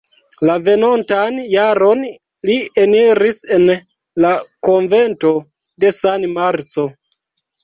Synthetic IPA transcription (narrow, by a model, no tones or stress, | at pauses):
lave̞nontanjaɾo̞n | lieniɾise̞n | lakoɱve̞nto̞ | de̞sanmaɾt͡so̞